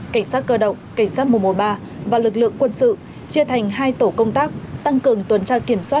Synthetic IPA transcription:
ka˧˩jŋ̟saː˦˥t̚kəː˧ɗə̰˧˨wŋ͡mka˧˩jŋ̟saː˦˥t̚mu˨˩mu˨˩ɓaː˧ | vaː˨˩lɨ˨˩k̚lɨ̰˧˨əŋkwə˧nsɨ̰˧˨ | t͡ɕi˧ət̪ʰa˨˩jŋ̟ɦaː˧jt̪o˧˩kə˧wŋ͡mt̪aː˦˥k̚t̪a˧ŋkɨ˨˩əŋt̪wə˨˩nt͡ɕaː˧ki˧˩əmswaː˦˥t̚

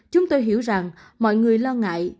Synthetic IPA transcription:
t͡ɕʊ˨˦ŋ͡mt̪o˧jɦi˧˥əwza˨˩ŋ | mɔ̰˧˨jŋɨ˨˩əjlɔ˧ŋa̰ː˧˨j

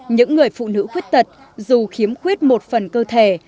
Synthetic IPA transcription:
ɲɨ̰˧˥ŋːɨ˨˩əjfṵ˧˨nɨ̰˧˥xwi˦˥k̚t̪ə˨˩t̚ | zu˨˩xi˨˦əmxwi˦˥ət̚mo˨˩t̚fə˨˩nkəː˧t̪ʰe˧˩

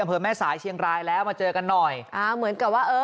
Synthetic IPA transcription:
a˧mpʰɤː˧mɛː˥˩saː˩˦jt͡ɕʰi˧əŋɾaː˧jlɛː˦˥wmaː˧t͡ɕɤː˧ka˧nːɔ˨˩jʔaː˧˩mɯ˩˦ənka˨˩p̚waː˥˩ʔɤː˧

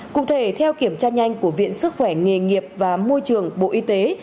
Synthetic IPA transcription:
kʊ̰˧˨ŋ͡mt̪ʰe˧˩t̪ʰɛ˧wki˧˩əmt͡ɕaː˧ɲa˧jŋ̟ku˧˩əvḭ˧˨ənsɨ˦˥k̚xwɛ˧˩ŋe˨˩ŋi˨˩əp̚vaː˨˩mo˧jt͡ɕɨ˨˩əŋɓo̰˧˨ʔi˧t̪e˨˦

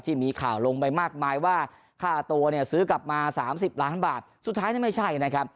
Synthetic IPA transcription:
t̪ʰiː˥˩miː˧kʰaː˨˩wlo˧ŋpa˧jmaː˥˩k̚maː˧jwaː˥˩ | kʰaː˥˩t̪u˧ɐni˥˩ɐsɯː˦˥kla˨˩p̚maː˧saː˩˦msi˨˩p̚laː˦˥nbaː˨˩t̪̚su˨˩t̪ʰːaː˦˥jni˥˩ma˥˩jt͡ɕʰa˥˩jka˧˩na˦˥kʰa˦˥p̚

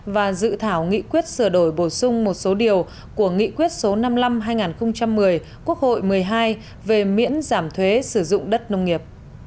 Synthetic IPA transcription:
vaː˨˩zɨ̰˧˨t̪ʰaː˧˩wŋḭ˧˨kwi˦˥ət̚sɨ˧˩əɗo˧˩jɓo˧˩sʊ˧ŋ͡mmo˨˩t̚so˨˦ɗi˨˩əw | ku˧˩əŋḭ˧˨kwi˦˥ət̚so˨˦na˧mla˧mɦaː˧jŋaː˨˩nxə˧wŋ͡mt͡ɕa˧mːɨ˨˩əj | ku˦˥ək̚ho̰˧˨jmɨ˨˩əjɦaː˧j | ve˨˩mḭ˧˥ənzaː˧˩mt̪ʰwe˨˦sɨ˧˩zʊ̰˧˨ŋ͡mɗə˦˥t̚nə˧wŋ͡mŋːi˨˩əp̚

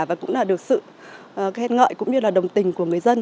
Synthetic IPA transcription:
vaː˨˩kʊ̰˧˥ŋ͡mlaː˨˩ɗɨ˨˩ək̚sɨ̰˧˨˩ | kːɛ˧nŋə̰ː˧˨jkʊ̰˧˥ŋ͡mɲɨ˧laː˨˩ɗə˨˩wŋ͡mt̪ï˨˩ŋ̟ku˧˩əŋɨ˨˩əjzə˧n

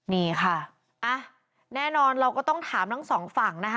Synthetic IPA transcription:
niː˧˥˩kʰa˥˩ | ʔa˧˩ | nɛː˥˩nɔː˧nɾa˧wkɔ˥˩t̪ɔ˥˩ŋt̪ʰaː˩˦mt̪ʰa˥˩ŋsɔː˩˦ŋfa˨˩ŋna˦˥kʰ

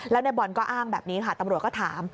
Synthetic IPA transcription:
lɛː˦˥wna˧jbɔ˨˩nkɔː˥˩ʔaː˥˩ŋbɛː˨˩p̚niː˦˥kʰa˥˩t̪a˧mɾt̪̚kɔː˥˩t̪ʰa̰ː˩˦m

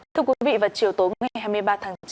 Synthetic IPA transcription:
t̪ʰɨ˧əkwi˨˧i˨˦vḭ˧˨vaː˨˩t͡ɕi˨˩əwt̪o˨˦jŋa˨˩jɦaː˧jmɨ˧əjɓaː˧t̪ʰaː˨˦ŋt͡ɕ

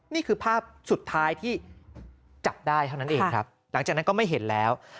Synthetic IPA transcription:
niː˥˩kʰɯː˧pʰaː˥˩p̚su˨˩t̪ʰːaː˦˥jt̪ʰiː˥˩ | t͡ɕa˨˩p̚daː˥˩jt̪ʰa˥˩na˦˥nʔeː˧ŋkʰɾa˦˥p̚ | la˨˩˦ŋt͡ɕaː˨˩k̚na˦˥nkɔː˥˩ma˥˩jɦe˩˦nlɛː˦˥w

